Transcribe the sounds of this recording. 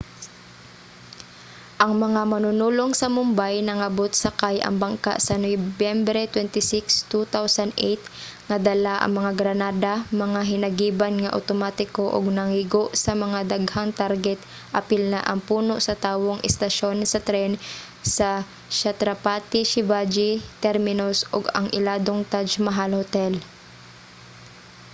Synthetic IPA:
ʔɐŋmɐŋamɐnʊnuːloŋsɐmʊmbajnɐŋɐbot̪̚sɐkajʔɐ̰ŋbɐŋka̰ʔsɐnobjɛmbɾɛt̪wɛnt̪ɪsɪkst̪ut̪awsɐnd̪ʔejt̪̚ŋɐd̪ɐlaʔɐ̰ŋmɐŋaɡɾɐnaːd̪amɐŋaɦɪnɐɡiːbanŋɐʔɐ̰t̪omat̪ɪkoʔo̰ɡ̚nɐŋiɡoʔsɐmɐŋad̪aɡhaŋt̪aɾɡɛt̪̚ | ʔɐpɪlnaʔɐŋpuːnoʔsɐt̪aːwoŋʔɛst̪ɐʃonsɐt̪ɾɛn | sɐ | ʃat̪ɾɐpat̪ɪʃɪvad͡ʒit̪ɛɾmɪnosʔoɡɐ̰ŋʔɪlaːd̪oŋt̪ad͡ʒmɐɦalhot̪ɛl

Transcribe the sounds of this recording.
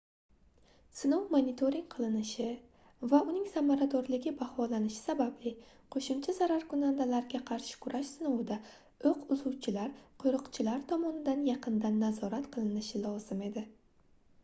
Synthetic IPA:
sɪnowmonit̪ʰo̞ɾiŋqʰɨlˠɪnɪʃɪ | vaʊnɪŋsamaɾad̪ɒɾlɪɡʲɪbahɒlanɪʃɪ̥sabablɪ | qʰoʃʊmt͡ʃʰazaɾaɾkʊnand̪alaɾɡʲaqʰɑɾʃɪ̥kʰʊɾʔaʃsɪnowd̪a | oqʊzuwt͡ʃʰɪlaɾqʰʊɾʊqt͡ʃʰɪlaɾt̪ʰɒmɒnɪd̪anjɑqʰɨnd̪anːazɒɾat̪qʰɨlˠɪnɪʃɪlˠɒz̥ɪme̞d̪ɪ

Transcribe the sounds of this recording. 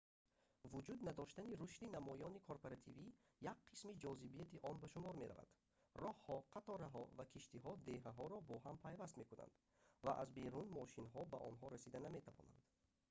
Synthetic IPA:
vud͡ʒud̪nad̪ɔʃt̪aniɾuʃt̪inamɔjɔnikʰoɾpoɾat̪ʰivijak̚qʰːismid͡ʒɔzibijat̪iʔɔnbaʃumɔɾme̞ɾa̰va̰d̪̥ | rɔhhɔqʰat̪ɔɾaɦɔvakʰiʃt̪iɦɔd̪e̞ɦaɦɔɾɔbɔɦampʰajvast̪me̞kuna̰nd̪ | va̰ʔa̰zbe̞ɾunmɔʃinɦɔbaʔɔ̰nɦɔɾasid̪aname̞t̪ʰavɔ̰na̰nd̪̥

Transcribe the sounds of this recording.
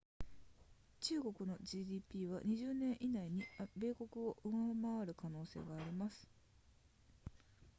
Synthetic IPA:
t͡ɕɨːɡo̞kɯ̟no̞ʑiːd̪ʲiːpʲiːβa̰ɲ̟iʑɨːnẽ̞ɰ̃ʔinaiɲ̟ibe̞ːko̞kɯ̟o̞ʔɯ̟ŋamaβaɾɯ̟kano̞ːse̞̰ːɡaːɾʲimasɨ̥

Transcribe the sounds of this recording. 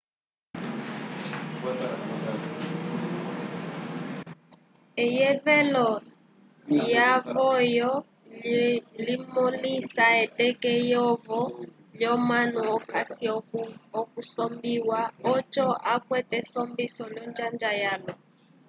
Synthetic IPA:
ɛjɛvɛlɔ | javɔjɔ | limɔlisaɛtɛkɛjɔvɔ | ljɔmanuɔkasiɔkusɔmbiwaɔt͡ʃɔʔakwɛtɛsɔmbisɔljɔnd͡ʒand͡ʒajalɔ

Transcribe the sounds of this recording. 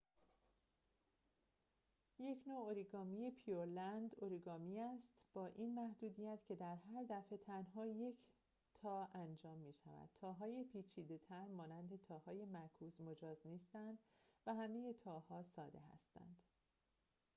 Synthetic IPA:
je̞cʰnoːoɾiɡɒːmije̞pʰijoɾlænd̪oɾiɡɒːmiæst̪b̥ɒːʔiːnmæhd̪uːd̪ijæt̪cʰe̞d̪æɾɦæɾd̪æfe̞t̪ʰænɦɒːje̞cʰ | t̪ʰɒːænd͡ʒɒːmːiːʃæ̰væ̰d̪̥̚t̪ʰɒːɦɒːjepʰiːt͡ʃʰiːd̪e̞t̪ʰæɾmɒːnænd̪e̞t̪ʰɒːhɒːje̞mæɾkʰuːzmo̞d͡ʒɒːzniːst̪ænd̪̥væhæme̞je̞t̪ʰɒːhɒːsɒːd̪e̞ɦæ̰st̪æ̰nd̪̥

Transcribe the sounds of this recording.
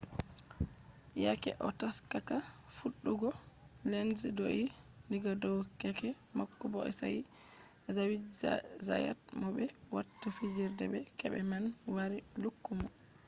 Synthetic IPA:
ja̰kɛ̰ʔɔtaskaka | fuɗːuɡɔ | lenzdoʔi | liɡadɔwkɛkɛ | makːubɔʔɛ̰sa̰j | zawidza̰ja̰tmɔbɛ | watːafid͡ʒiɾdɛbɛkɛbɛmanwaɾilukːumɔ

